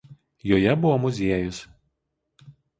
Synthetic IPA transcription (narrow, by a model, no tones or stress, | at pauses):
joːjɛbʊʋomʊzʲiɛjʊs